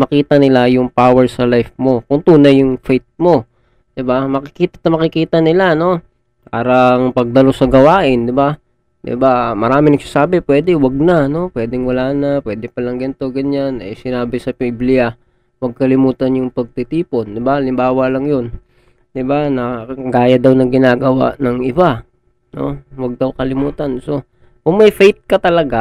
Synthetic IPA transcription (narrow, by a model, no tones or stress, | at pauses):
mɐkiːt̪ɐnɪlajʊŋpaːwɛɹsɐlajfmo̞kʊŋt̪uːnɐjːʊŋfejt̪̚mo̞ | d̪̥ɪbamɐkɪkiːt̪ɐt̪ɐmɐkɪkiːt̪ɐnɪlano̞ | paːɾɐŋpɐɡ̚d̪ɐlo̞sɐɡɐwaːʔɪnd̪ɪba | d̪ɪ̰bamɐɾaːmɪŋnɐɡ̚sasaːbɛpwɛːd̪ɛwɐɡ̚nɐɐno̞pwɛːd̪ɛŋwɐlaːnɐpwɛːd̪ɪpɐlɐŋɡɐnt̪o̞ɡɐɲanɐ̰jsɪnaːbɪsɐpiblɪja | wɐɡ̚kɐlɪmuːt̪ɐnjʊŋpɐɡ̚t̪ɪt̪iːpo̞nd̪ɪbaɐlɪmbaːwɐlɐŋjon | d̪ɪbanɐɡaːjɐd̪awnɐŋɡɪnaːɡɐwa̰ʔnɐŋɪba | no̰wɐɡ̚d̪ɐwkɐlɪmuːt̪ɐnso̞ | kʊŋmɐjfɛjt̪̚kɐt̪ɐlɐɡa